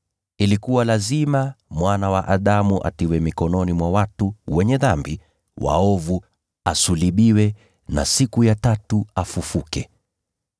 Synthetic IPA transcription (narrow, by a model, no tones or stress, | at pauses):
ilikuwalazimamwanawaʔaɗamuʔa̰tiwɛmikɔnɔnimwawatuwɛɲɛðambi | wa̰ɔvu | asuliɓiwɛ | na̰sikujatatuafufukɛ